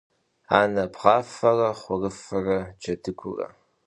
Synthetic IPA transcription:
aːnɐpʁɑːfɐrɐχʷɔrɨfɐrɐd͡ʒɐdʰɨkʷʊ̰rɐ̰

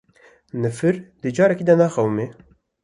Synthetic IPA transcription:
nɨfɨɾd̪ɨd͡ʒɑːɾɛkiːd̪ɐnaːxɛwme

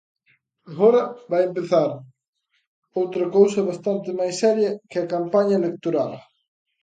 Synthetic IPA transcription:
ɣɔɾɐβajempeθaɾ | owt̪ɾɐkowsɐβast̪ant̪ɪmajsːɛɾjɐkɪɐkampaɲɐelek̚t̪oɾal

